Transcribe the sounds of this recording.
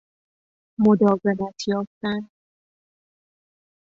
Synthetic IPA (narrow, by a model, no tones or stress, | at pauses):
mod̪ɒːvemæt̪ʰjɒːft̪æn